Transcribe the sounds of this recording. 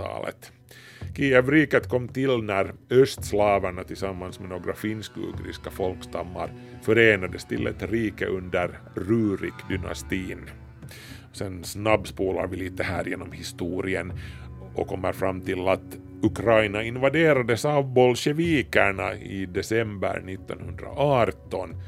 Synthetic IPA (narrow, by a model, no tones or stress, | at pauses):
ɑ̰ːlə̰t̪ | kʰiːɛvɾiːkət̪kʰɔmːt̪ɪlnæɾœst̪slɑːvæɳat̪ʰɪlsamːansmɛnoːɡɾafɪnskɵ̰ːɡɾɪ̰skafɔlkst̪ɑmːa̰ɾfœɾeːnad̪əst̪ʰɪlʔɛ̰t̪ɾiːkə̰ʔɵnd̪əɾː | ʉːɾɪkd̪ʏna̰st̪iːn | sɛnsnabspuːla̰ɾvɪliːt̪əhæ̰ːɾjeːnɔmhɪst̪uːɾɪən | ʔɔ̰kʰɔmːəɾfɾamːt̪ʰɪlat̪ | ɵkʰɾajnaɪnvad̪eːɾad̪əsɑvbɔlʃɛviːkæɳa̰ɪd̪ɛsɛmbə̰ɾɳɪt̪ːɔ̰nhɵnd̪ɾa̰ʔɑɾt̪ɔn